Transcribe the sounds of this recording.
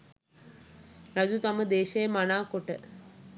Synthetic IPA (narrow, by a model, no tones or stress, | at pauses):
ɾad͡ʑut̪aməd̪eːʃejəmanaːkoʈə